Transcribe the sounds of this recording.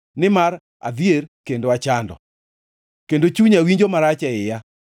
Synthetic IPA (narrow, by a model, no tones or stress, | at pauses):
nɪmaɾ | a̰d̪ierkendoat͡ʃandɔ̰ | kendot͡ʃuɲawiɲd͡ʒomaɾat͡ʃɛɪja